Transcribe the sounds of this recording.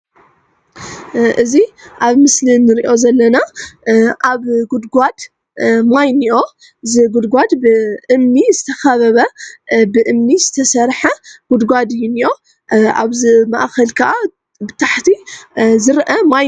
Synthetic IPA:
ʔɨziʔaβmɨslinɨɾiʔo̞zɐlːɐna | ʔaβɡud̪ɡʷad̪ | majniʔo̞ | zɨɡud̪ɡʷad̪bɨʔɨmnizɨt̪ʰɐxɐβɐβɐbɨʔɨmnizɨt̪ʰɐsɐɾħɐɡ̥ud̪ɡʷad̪ɨjːuniʔo̞ | a̰βzɨmaʔxɐlkʰaʔa | bɨt̪ʰaħt̪ʰizɨɾʔɐma

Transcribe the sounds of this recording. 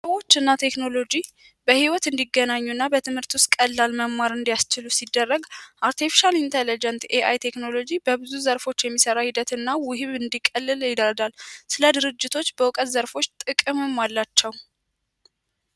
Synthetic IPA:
səwo̞t͡ʃːɨnːat̪ʰe̞kno̞lo̞d͡ʒi | bəhiwɔt̪ɨnd̪iɡːənaɲːuɨnːabət̪ʰɨmhɨɾt̪wʊst̪̚kʼəlːalməmːaɾɨnd̪ijast͡ʃɪlusid̪ːərːəɡʔaɾt̪ʰifi̥ʃalint̪ʰelid͡ʒɛnt̪eʔajt̪ʰe̞kno̞lo̞d͡ʒibəbɨzuzəɾfo̞t͡ʃːjɛmːisəɾahid̪ət̪ɨnːawʊhiβɨnd̪ikʼəlːɨljɪd̪əɾd̪alsɨləd̪ɨɾɨd͡ʒːɪt̪ʰo̞t͡ʃːbəwʊkʼət̪zəɾfo̞t͡ʃːt̪ʼɨkʼɨmɨmːalːat͡ʃːɛw

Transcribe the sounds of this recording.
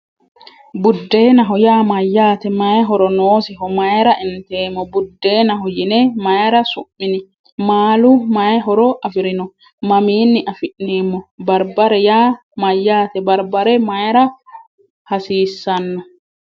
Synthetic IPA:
bʊd̪ːe̞ːnɐɦɔjaːmɐjːaːt̪ɛmɐjɦɔɾɔnoːsɪɦɔmɐjɾɐʔɪnt̪eːmːɔbʊd̪ːeːnɐɦɔjɪnɛmɐjɾɐsʊʔːɪnɪ | maːlʊmɐjɦɔɾɔʔɐfɪɾɪnɔ | mɐmiːnːɪʔɐfɪʔneːmːɔbɐɾbɐɾɛjaː | mɐjːaːt̪ɛbɐɾbɐɾɛmɐjɾɐ | hɐsiːsːɐnːɔ

